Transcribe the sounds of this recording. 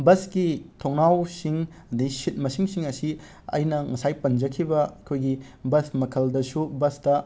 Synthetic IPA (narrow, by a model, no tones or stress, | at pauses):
bɐsɡitʰoŋnawsiŋ | ɐdisit̚mɐsiŋsiŋɐsi | ɐ̰jnɐŋɐsajpɐnd͡ʒɐkʰibɐɐkʰojɡi | bɐsmɐkʰɐldɐsubɐsdɐ